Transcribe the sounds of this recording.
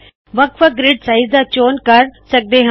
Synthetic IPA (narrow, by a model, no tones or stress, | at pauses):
ʋɐkfəɡɾɪɖsaːɪzd̪aːt͡ʃoːnkɐɾsɐk̚d̪eɦ